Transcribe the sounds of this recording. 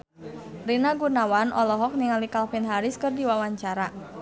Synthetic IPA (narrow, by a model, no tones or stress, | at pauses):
rinaɡunawanʔɔlɔɦɔk̚niŋalikalfinɦaɾɪskɨrdiwawaɲt͡ʃaɾa